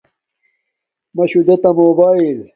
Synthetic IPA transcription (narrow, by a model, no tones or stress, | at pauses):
mɐɕud̪ɐt̪ɐmoːbaːil